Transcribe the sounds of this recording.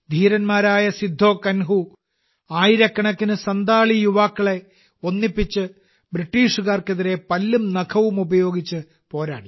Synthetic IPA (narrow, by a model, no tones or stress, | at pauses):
d̪ʱiːɾɐnmaːɾaːjɐsid̪ʱːo̞ːkɐnɦu | aːjiɾɐkːɐɳɐkːinɨsɐnd̪aːɭijuʋaːkːɐɭe̞ | o̞nːipːit͡ɕːɨ | briʈːiːʂuɣaːrkeðiɾe̞pɐlːumnɐkʰɐʋumubɐjo̞ːɡit͡ɕːɨ | po̞ːɾa̰ːɽi